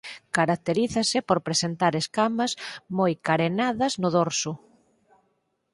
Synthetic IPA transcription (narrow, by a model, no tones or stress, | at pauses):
kaɾak̚t̪eɾiθɐsɪpoɾpɾesent̪aɾeskamɐzmojkaɾenaðɐznʊðoɾsʊ